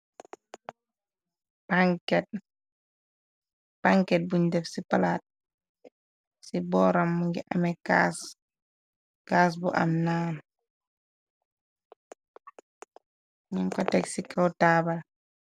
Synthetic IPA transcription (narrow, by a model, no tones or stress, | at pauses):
paŋkɛt̚ | paŋkɛt̚buɲdɛfsipalat̚ | sibɔːɾamːuŋɡiʔamɛkas | kaːs̬buʔa̰mnaːn | ɲiŋkɔtɛksikʰawtaːbal